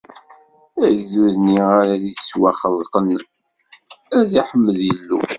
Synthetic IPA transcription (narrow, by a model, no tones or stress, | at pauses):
æʝðuðniʁaɾaðit͡sswæχəðˤqən | æðiħəmːəðjəlːṵ